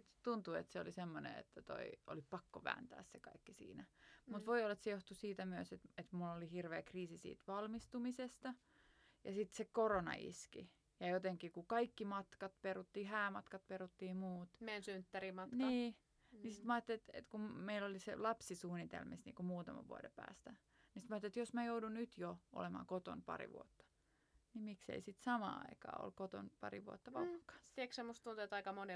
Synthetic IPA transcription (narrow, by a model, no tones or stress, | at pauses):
t̪t̪unt̪uḛt̪seolisemːonḛḛt̪ːæt̪o̰iʔo̰lipɑkːoʋæ̰ːnt̪æ̰ːssekɑ̰ikːisḭːnæmut̪ʋoiolːɑet̪sejoht̪usiːt̪æmyøset̪et̪mulːolihirʋeːkriːsisḭːt̪ʋɑlmist̪umisest̪ɑ | jɑsit̪sekoronɑ̰ḭskḭ | jɑjot̪eŋkikukɑikːimɑt̪kɑt̪perut̪ːiːhæːmɑt̪kɑt̪̚perut̪ːiːmuːt̪mensynt̪ːærimɑniː | nisit̪mɑːt̪ːeet̪ḛt̪kumeilolisḛlɑpsisuːnit̪ḛlmisnḭːŋkumuːt̪ɑmɑ̰ʋuodepæ̰ːst̪æ | nisit̪mɑːˑt̪ːet̪josmæjoudunnyt̪joʔo̰lemɑ̰ːkot̪o̰npɑ̰rḭʋṵot̪ːɑ̥ | nimiksḛisit̪sɑmɑ̰ːɑ̰ikɑ̰ːo̰lkot̪o̰npɑ̰riʋuot̪ːɑʋɑkːɑ̥t̪ieksemːost̪t̪unt̪uet̪ɑikɑmone